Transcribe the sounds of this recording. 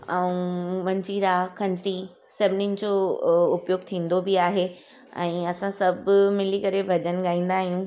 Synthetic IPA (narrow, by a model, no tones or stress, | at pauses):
ɛũmɐ̃ɲd͡ʑiɾaːkʰɐ̃ɲd͡ʑɾi | sɛʋnind͡ʑoːʊpjoːɡ̚t̪ʰĩːn̆d̪obɪaːɦe | ɛ̰̃ːɐsãsɐbmɪlikɐɾebʱɐʄənɠaːĩːn̆d̪aːɦijũː